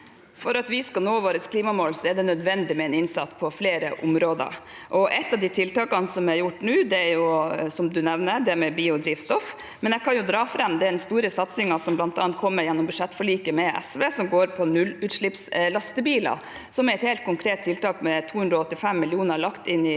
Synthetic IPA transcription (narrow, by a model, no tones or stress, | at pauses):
fɔɾɑt̪ʋɪskɑnoːʋoːɾəskʰliːmɑmoːlsɔɛɖɛnœd̪ʋɛnd̪ɪmɛɛnɪnsɑ̰t̪ːpʰɔfleːɾə̰ʔʊmɾoːd̪ə̰ɾʔɔʔɛt̪ːɑʋd̪iːt̪ʰɪlt̪ɑːkɑnsɔmæɾjʊʈːnʉːd̪ɛæɾjʊsɔmd̪ʉnɛʋnəɾd̪ɛæɾmɛbiːʊd̪ɾiːʋst̪ɔf | mɛnɛkʰɑnjʊd̪ɾɑːfɾɑmːd̪ɛæd̪ɛnst̪uːɾəsɑt̪sɪŋɑsɔmblɑnt̪ɑ̰ːɑnt̪̚kʰɔmːəɾjɛnːɔmbʉʂɛt̪ːfɔɭiːkəmɛʔɛ̰sʋeːsɔmɡoːɾpʰɔnʉlʉːt̪ʂɭɪpslɑst̪əbiːlɑ̰ | sɔmæɾɛt̪heːlt̪̚kʰʊŋkʰɾeːt̪ʰːɪlt̪ɑːkmɛt̪ʰuːhʉnd̪ɾɔɔt̪ːɪfɛmːɪlɪuːnəɭɑkt̪ɪnːɪ